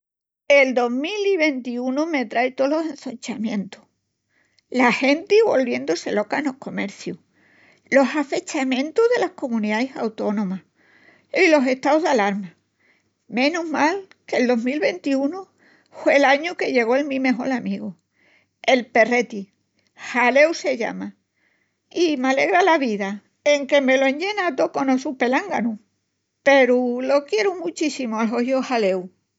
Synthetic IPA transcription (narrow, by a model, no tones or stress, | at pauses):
e̞ld̪o̞ɦmiliβ̞e̞nt̪iunume̞t̪ɾajt̪o̞lo̞sẽ̞n̟θoɲt͡ʃamjẽ̞nt̪u̥h | lahe̞nt̪iβo̞lβje̞nd̪ose̞lo̞kaeno̞ko̞me̞ɾθjuh | lo̞safe̞t͡ʃamjẽ̞nt̪uɦðe̞lahko̞mũniðaesawt̪o̞nõ̞ma | ilo̞se̞ht̪awðalaɾma | mẽ̞nuɦmal | ke̞ld̪o̞ɦmilβe̞nt̪iunu | fwe̞ːlaɲuke̞ʎe̞ɣ̞o̞elmĩme̞ɦo̞lamiɣo | e̞lpe̞re̞t̪i | hale̞wse̞ʎa̰ma | imale̞ɣɾalaβiða | e̞ŋke̞me̞loẽ̞ɲɟ͡ʝe̞nat̪oko̞nosupe̞laŋɡanu | pe̞ɾulo̞kje̞ɾumut͡ʃisimoalɦohjohale̞w